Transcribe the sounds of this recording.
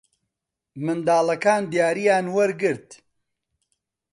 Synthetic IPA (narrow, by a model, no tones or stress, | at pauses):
mɨnd̪aːlɐkaːnd̪ijaːɾijaːnwɐɾɡɨɾt̪